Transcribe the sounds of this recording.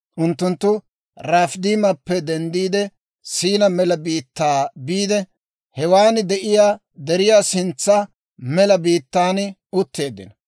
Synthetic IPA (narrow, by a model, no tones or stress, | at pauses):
ʔʊnt̪ːʊnt̪ːʊ | ɾaːfd̪iːmɐpːɛd̪ɛnd̪iːd̪ɛ | siːnɐmɛlɐbiːt̪ːaːbiːd̪ɛ | hɛwaːnd̪ɛʔɪjaː | d̪ɛɾɪjaːsɪnt͡sːɐ | mɛlɐbiːt̪ːaːn | ʊt̪ːe̞ːd̪ːɪ̰nɐ